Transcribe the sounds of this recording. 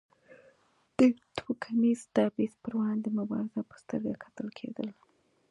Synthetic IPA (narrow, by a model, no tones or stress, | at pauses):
d̪̥ət̪wukʰamizt̪ɑbispəɾwɑnd̪əmʊbɑ̰ɾɪzapə̥st̪ə̰ɾɡakʰḁt̪əlkʰḛd̪ə̰l